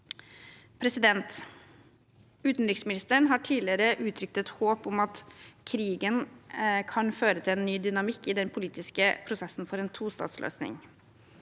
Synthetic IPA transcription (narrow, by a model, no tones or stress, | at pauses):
pʰɾɛsɪd̪ɛnt̪ | ʉːt̪n̩ɾɪksmɪnɪst̪əɳɦɑːʈʰiːlɪəɾəʔʉːt̪ʰɾʏk̚t̪ət̪hoːpɔmɑt̪kʰɾiːɡənkʰɑnføːɾət̪ʰɪleːnːyːd̪ʏnɑmɪkːɪd̪ɛnpʰʊliːt̪ɪskəpʰɾʊsɛsn̩fɔɾeːnt̪ʰuːst̪ɑ̰ːt̪slø̰ːsnɪ̰ŋ